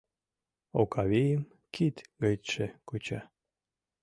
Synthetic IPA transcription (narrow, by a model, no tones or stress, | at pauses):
okɑβejəm | kʰit̪ɡəjt̪ʃekut͡ɕɑ